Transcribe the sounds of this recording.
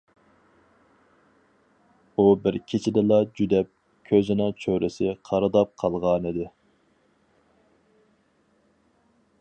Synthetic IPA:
ubɪɾkʲʰit͡ʃʰɪd̪ɪlˠɑd͡ʒyd̪ɛp̚ | kʲʰøzɪnɪt͡ʃʰøɾʔɪsɪqʰɑɾɨd̪ɑp̚qʰɑlˠʁɑnid̪ɪ

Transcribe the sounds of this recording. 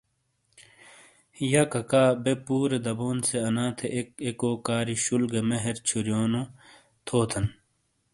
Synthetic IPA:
jɐkɐkaːbepuːɾed̪ɐboːnseɐnaːt̪ʰeʔkekoːkaːɾiɕulɡemeɦeɾt͡ɕʰuɾjoːno | t̪ʰoːt̪ʰɐn

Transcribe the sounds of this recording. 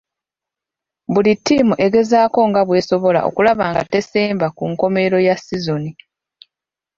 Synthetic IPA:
bulitʰːimuʔe̞ɡe̞zaːko̞ŋɡaβwe̞ːso̞βo̞la̰ʔo̞̰kulaβaːŋɡa̰te̞seːmbakuŋko̞me̞ɾo̞jasizo̞ni

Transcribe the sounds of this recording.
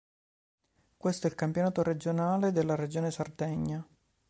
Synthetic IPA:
kwest̪oɛlkampjonaːt̪oɾed͡ʒonaːled̪elːaɾed͡ʒoːnesard̪ɛɲːa

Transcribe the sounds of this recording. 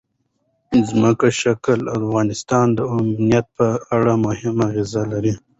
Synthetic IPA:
zməkaʃaklafɣɑːnɪst̪ɑːnd̪əamnijat̪̚pəaɽamʊhɪmaɣezalaɾi

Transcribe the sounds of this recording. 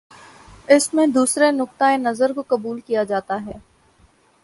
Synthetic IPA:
ɪsmẽd̪uːsɾenʊk̚t̪aenɐzəɾkokɐbuːlkijad͡ʒaːt̪aɦɛː

